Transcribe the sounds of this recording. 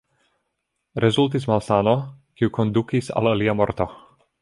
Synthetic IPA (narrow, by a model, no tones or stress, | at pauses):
ɾezult̪̬ismalsaːnokiukond̪ukisa̰laliamoɾt̪o